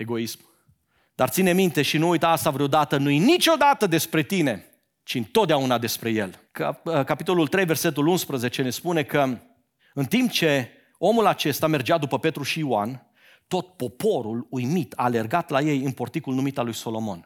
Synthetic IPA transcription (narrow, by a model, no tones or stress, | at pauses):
e̞ɡo̞ism | d̪art̪sine̞mint̪e̞ʃinuujt̪əast̪avɾeod̪at̪ənujinit͡ʃo̞d̪at̪əd̪e̞spɾe̞t̪ine̞ | t͡ʃiɨnt̪ot̪̚d̪eaunad̪e̞spɾe̞je̞lkəkapit̪o̞lult̪ɾe̞jverse̞t̪̬ulunspɾəze̞t͡ʃe̞ne̞spune̞kə | ɨnt̪imp̚t͡ʃe̞ | o̞mulat͡ʃe̞st̪ame̞rd͡ʒad̪upəpe̞t̪ɾuʃiːan | t̪o̞t̪̚po̞po̞ɾulujmit̪a̰le̞rɡat̪laje̞jɨnpo̞rt̪ikulnumit̪alujso̞lo̞mo̞̰n